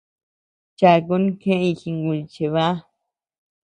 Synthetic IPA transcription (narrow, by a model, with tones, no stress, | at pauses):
t͡ʃa˧˨˧ko˦nĩ˦kẽ˦˧i˧˨xi˧ŋɡu˧˨˧t͡ʃe˧βa˦